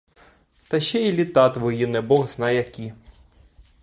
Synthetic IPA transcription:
t̪ɐʃɛilʲit̪ɑt̪ʋɔjinɛbɔɣznɑjɐkʲi

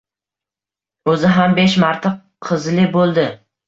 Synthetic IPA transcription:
ɵzɪɦambeʃmaɾt̪ʰa | qʰɨzlɪbolˠd̪ɪ

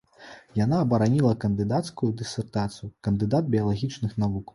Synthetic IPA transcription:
janaɐbɐɾanʲilˠɐkɐnd̪ɨd̪at̪skujud̪ɨsʲɛrt̪at̪sɨjukɐnd̪ɨd̪ad̪̚bʲijɐlˠaɣʲit͡ʂnɨxnavuk

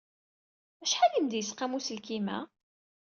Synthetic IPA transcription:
æʃħæjəmd̪jəsqæmusəlkimæ̰

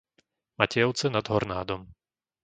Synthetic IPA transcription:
macɛjɔʊt͡sɛnad̪ɦɔɾnaːd̪ɔm

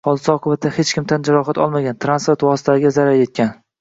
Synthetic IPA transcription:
hɒlˠd̪ɪsɪɒqʰɨbat̪ʰːahet͡ʃkʲʰɪmt̪ʰand͡ʒaɾɒχat̪ɒ̰lˠmaɡʲant̪ʰɾanspeɾt̪wɒsɪ̥t̪ʰasɪɡʲazaɾaɾje̞t̪̚kʲan

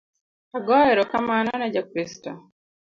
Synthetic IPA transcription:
aɡɔɛɾɔkamanɔnɛd͡ʒakɾistɔ

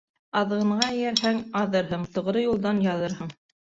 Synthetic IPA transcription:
ɑðʁɤ̆ɴʁɑɘ̆jæɾɦæŋɑðɤɾɦɤɴt̪ɤ̆ʁɾɤjulˠd̪ɑnjɑðɤɾhɤɴ

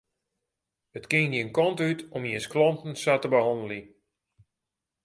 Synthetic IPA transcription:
ətkɪŋniənkɔntytɔmjisklɔntn̩satəbəɦɔndəli

